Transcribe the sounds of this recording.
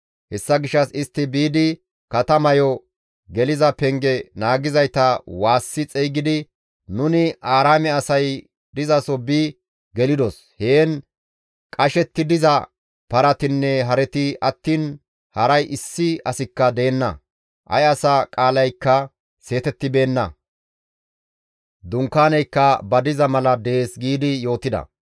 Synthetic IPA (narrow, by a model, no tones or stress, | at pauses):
hɛsːɐɡɪʃːɐsɪst̪ːɪbiːd̪ɪ | kɐt̪ɐmɐjɔ | ɡɛlɪzɐpɛŋɡɛnaːɡɪzɐjt̪ɐwaːsːɪt͡sʼɛjɡɪd̪ɪ | nʊnɪʔaːɾaːmɛɐsɐj | d̪ɪzɐsɔbi | ɡɛlɪd̪ɔs | heːn | kʼɐʃɛt̪ːɪd̪ɪzɐ | pɐɾɐt̪ɪnːɛɦɐɾɛt̪ɪʔɐt̪ːiːn | hɐɾɐjʔɪsːɪɐsɪkːɐd̪e̞ːnːɐ̰ | ʔɐ̰jɐsɐkʼaːlɐjkːɐ | se̞ːt̪ɛt̪ːɪbe̞ːnːɐ̰ | d̪ʊŋkːaːnɛjkːɐbɐd̪ɪzɐmɐlɐd̪e̞ːsɡiːd̪ɪjo̞ːt̪ɪd̪ɐ̰